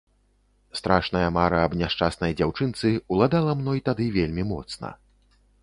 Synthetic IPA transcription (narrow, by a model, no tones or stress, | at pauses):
st̪ɾaʂnɐjɐmaɾɐːbnʲaʂt͡ʂasnɐjd͡zʲawt͡ʂɨnt̪sɨulˠad̪alˠɐmnɔjit̪ad̪ɨvʲelʲmʲimɔ̰t̪snɐ̰